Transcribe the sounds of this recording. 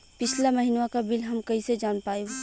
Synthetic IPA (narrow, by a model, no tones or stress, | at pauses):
pɪt͡ʃʰlaməɦinʋakabɪlɦɐmkɐised͡ʒaːnpaːjo